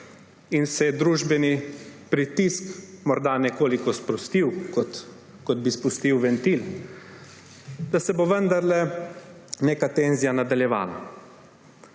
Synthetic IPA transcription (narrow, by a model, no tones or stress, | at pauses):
insɛjɛd̪ɾuːʒbɛnipɾit̪iskmɔɾd̪anɛkoːlikɔspɾɔst̪iw̪ | kɔd̪̚bispust̪iwʋɛnt̪il | d̪̥asɛboʋənd̪aɾlɛ | neːkat̪enzijanad̪aljɛʋa̰ːla̰